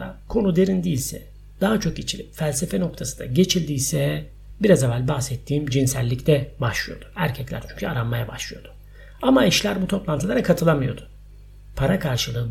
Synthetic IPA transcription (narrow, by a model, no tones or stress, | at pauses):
a̰kʰo̞nud̪e̞ɾind̪iːlʲsɛ̰ | d̪̥aɦat͡ʃʰo̞k̚ɟet͡ʃʰilʲipfælʲsefɛno̞k̚t̪ʰasɯnd̪a̰ɟe̞t͡ʃʰilʲd̪iːsɛ | biɾazavælʲbaxsɛt̪ʰːiːmd͡ʒinsælʲːict̪ʰɛbaʃlˠɯjo̞̰d̪̥u̥æɾcʰɛclʲæ̰ɾt͡ʃʰyɲcʰyaɾanmajabaʃlˠɯjo̞d̪̥ʊ̥ | amaiʃlʲæɾbut̪ʰo̞plˠant̪ɯlˠaɾakʰat̪ʰɯlˠamɯjo̞d̪ʊ̥ | pʰaɾakʰaɾʃɯlˠɯː